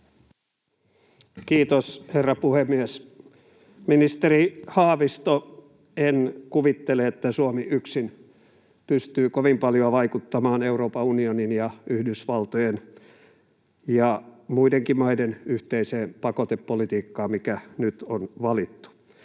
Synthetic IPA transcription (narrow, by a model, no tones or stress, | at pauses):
kiːt̪osherːɑpuhemːies | minist̪erihɑːʋist̪o | enkuʋit̪ːeleet̪ːæsuomiʔyksin | pyst̪yːkoʋimpɑljoɑʋɑikut̪ːɑmɑːneuɾoːpɑunioninjɑyhdysʋɑlt̪ojen | jɑmuideŋkimɑidenyht̪eiseːmpɑkot̪epːolit̪iːkːɑːmmikænyt̪onʋɑlit̪ːu̥